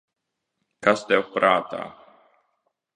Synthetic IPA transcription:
kast̪ɛpɾaːt̪a̰

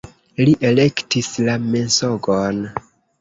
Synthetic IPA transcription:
liʔe̞le̞ktislame̞nsoɡon

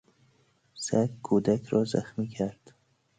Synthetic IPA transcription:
sækkʰuːd̪ækʰɾɒːzæ̰xmiːkʰæɾd̪̥

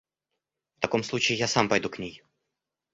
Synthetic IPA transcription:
ft̪ɐko̞mslˠut͡ɕɪɪjasampɐjd̪uknʲej

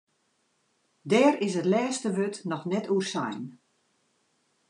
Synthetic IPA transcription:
dɛːɾɪsətlɛːstəʋøtnɔxnɛtuərsa̰jn

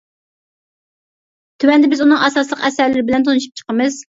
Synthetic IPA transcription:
t̪ʰywɛnd̪ɪbɪzunɨŋɛsɑslˠəqɛsæɾlɪɾɪbɪlɛnt̪ʰonuʃu̥p̚t͡ʃʰə̥qəmɨz̥

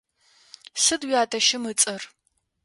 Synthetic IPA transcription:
sɨdwjaːtʰʼɐʃɪmɨt͡sʼɐr

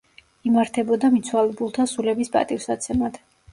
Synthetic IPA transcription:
imaɾt̪ʰɛbɔd̪amit̪sʰwalɛbulˠt̪ʰasulɛbispʼa̰t̪ʼifsat̪sʰɛmad̪̥

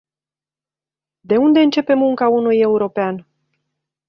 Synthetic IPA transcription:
d̪e̞und̪e̞ɨnt͡ʃe̞pe̞muŋkaunuje̞uɾo̞pean

